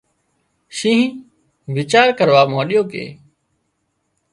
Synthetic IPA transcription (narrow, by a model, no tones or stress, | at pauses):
ʃĩːɦ | ʋɪt͡ʃaːɾkəɾʋaːmãːɗijoːkḛː